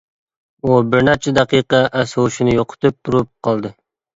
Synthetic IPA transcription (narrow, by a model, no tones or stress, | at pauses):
ubɪɾnæɾt͡ʃʰɛd̪æqiqɑʔæsouʃɪnɪjoqʰʊ̥t̪ɨp̚d̪uɾup̚qʰɑlˠd̪ɨ